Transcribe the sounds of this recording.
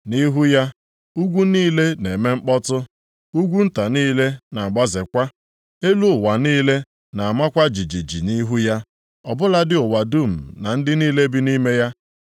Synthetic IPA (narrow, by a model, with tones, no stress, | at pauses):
ni˦ɦu˦ja˦ | u˦ɡʷu˦niː˦le˦ne˨me˦ŋ͡m̩˦k͡pɔ˦tʊ˦ | u˦ɡʷu˦n̩˦ta˨niː˦le˦na˨a˨ɡ͡ba˦zɪ˨kʷa˦ | e˦lu˦ʊ˨wa˨niː˦le˦ | na˨a˨ma˦kʷa˦d͡ʒi˨d͡ʒi˨d͡ʒḭ˨ni˦ɦu˦ja˦ | ɔ˨bʊ˦la˦dɪ˦ʊ˨wa˨du˦˨m̩˨na˨n̩˦dɪ˦niː˦le˦bi˦ni˦me˦ja˦